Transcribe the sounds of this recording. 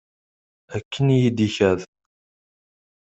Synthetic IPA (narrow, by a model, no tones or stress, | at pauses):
ækʰːənjid̪içæð